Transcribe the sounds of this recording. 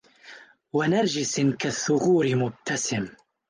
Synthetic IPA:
wanaɾˤd͡ʒɪsɪnkaθːʊɣuːɾɪmʊb̚t̪ʰasɪm

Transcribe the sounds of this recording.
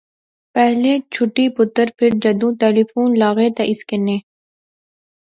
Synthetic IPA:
pɛɦlet͡ʃʰʊʈipʊt̪ːəɾpʰɪɾd͡ʒɐd̪ũːʈ̪eːlifuːnlaːɣeːt̪eʔɪskɪnẽː

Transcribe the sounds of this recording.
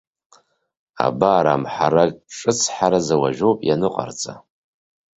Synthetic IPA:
a̰baːɾamħaɾaʈ͡ʂʼɨt͡sʰħaɾazawaʒowpʼjanɨqʼa̰rt͡sʼa̰

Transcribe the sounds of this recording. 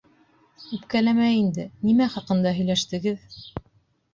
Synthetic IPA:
ʉpkælæmæind̪ɘnimæχɑqɤ̆nd̪ɑɦɵ̆jlæʃt̪ɘ̆ɡɘð

